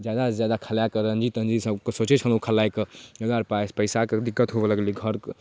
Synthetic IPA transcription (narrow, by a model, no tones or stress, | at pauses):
d͡ʒjad̪azjad̪akʰəljakəɾənd͡ʒit̪ənd͡ʒisə̃kəsot͡ʃet͡ʃʰəlũkʰəlajkəɡəɡaɾpaespəɪsaked̪ikːət̪ɦobeləɡliɡʱəɾk